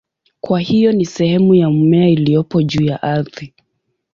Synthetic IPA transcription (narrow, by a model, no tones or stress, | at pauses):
kwahijɔnisɛhɛmujaumɛailijɔpɔʄuːjaʔaɾði